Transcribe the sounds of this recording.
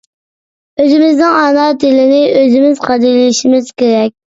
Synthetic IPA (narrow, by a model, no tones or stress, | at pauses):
øzɪmɪznɪŋɑnɑt̪ʰɪlɪnɪøzɪmɪzqʰɑd̪ilɪʃimɪz̥kʲeɾɛkʲ